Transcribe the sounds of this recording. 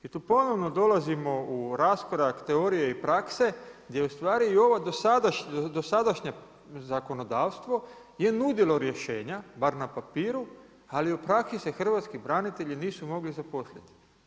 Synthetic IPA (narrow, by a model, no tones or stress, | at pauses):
it̪uːpo̞no̞ʋno̞d̪o̞lazimo̞uɾaskoɾakt̪e̞oɾijeipɾakse̞ɡd̪je̞ust̪ʋaːɾiio̞ʋad̪osad̪aʃɲd̪o̞sad̪aʃɲe | zako̞no̞d̪aːʋst̪ʋo̞ | je̞nud̪ilˠo̞ɾje̞ʃe̞ːɲabaɾnapapiːɾu | aliupɾaksisexr̩ʋat̪skibɾanit̪e̞ʎiniːsumo̞ɡlizapo̞slʲet̪i̥